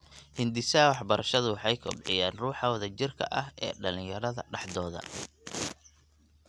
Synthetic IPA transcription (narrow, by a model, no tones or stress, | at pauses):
hɪnd̪ɪsɐwɑħbɐɾʔɐʃɐðʊwɑħɑjkʰɔ̰bʕɪjaːnruːħɑwɐðɐt͡ʃɪrkʰɐ̰ʔɐɦɛ̰ːɖɐlɪ̃jɐɾɐðɐɖɑħd̪ɔːðɐ̰